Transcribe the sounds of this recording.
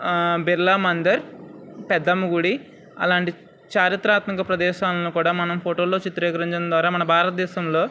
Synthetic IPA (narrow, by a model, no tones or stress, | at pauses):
biɾlaːmɐnd̪ɐɾpɛd̪ːɐmuɡuɽi | ɐ̰laːɳʈi | t͡ʃaːɾit̪ɾaːt̪mɐkɐpɾɐd̪ɛːʃaːlɐloːkuːɽaːmɐnɐmpʰoʈoːloːt͡ʃit̪ːɐɾɛːkɐɾiɲt͡ʃɐnd̪ʋaːɾaːmɐnɐbʱaːɾɐt̪ɐd̪ɛːʃɐmlo̞ː